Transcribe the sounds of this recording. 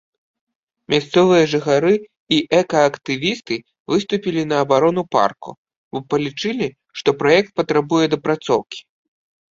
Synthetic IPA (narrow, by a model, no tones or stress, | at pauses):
mʲast̪sɔvɨjɐʐɨxaɾɨ | iʔɛkɐːkt̪ɨvʲist̪ɨ | vɨst̪upʲilʲinɐːbaɾɔnupa̰rkṵ | bɔpɐlʲit͡ʂɨlʲi | ʂt̪ɔpɾajɛk̚t̪̚pɐt̪ɾabujɛd̪ɐpɾat̪sɔwkʲi̥